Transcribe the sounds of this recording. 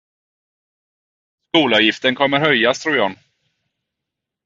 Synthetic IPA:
skuːlɑvjɪft̪ənkʰɔmːəɾhœjːast̪ʰɾuːɾjɔn

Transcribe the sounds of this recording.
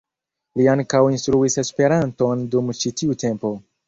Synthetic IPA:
liaŋkawinstɾuise̞spe̞ɾanto̞ndumt͡ʃitiute̞mpo̞

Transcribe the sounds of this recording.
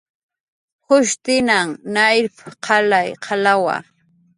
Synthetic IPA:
hʊʃt̪ɪnaŋnajɾpqʰalajqʰɑlawa̰

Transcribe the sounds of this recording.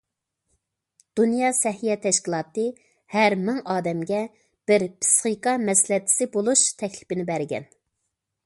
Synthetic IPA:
d̪̥unjɑsɛɦijɛt̪ʰɛʃkʲilˠɑːt̪ɨ | hæɾmɪŋɑːd̪ɛmɡʲɛ | b̥ɪɾpʰɪ̥sχiqɑmɛslɛt̪ʰːɪ̥sɪbolˠuʃt̪ʰɛkʲlɪ̥pɪnɪbæɾɡʲɛ̰n

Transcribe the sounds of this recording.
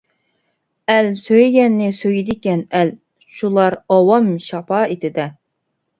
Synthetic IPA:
ɛlsøjɡʲɛnːɪsøjid̪ɪkʲɛnɛl | ʃulˠɑɾɑwɑmʃɑpʰɑet̪ʰɪd̪ɛ

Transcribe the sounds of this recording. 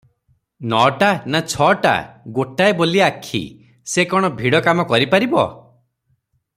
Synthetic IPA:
nɔʈanat͡ʃʰɔʈa̰ɡoʈaeboliakʰḭ | sekɔɽ̃ɔbʱiɽɔkamɔkɔɾipaɾibɔ̰

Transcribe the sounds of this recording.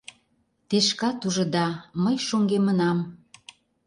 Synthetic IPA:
t̪eʃkɑt̪uʒɤ̆d̪ɑməjʃoŋɡemənɑm

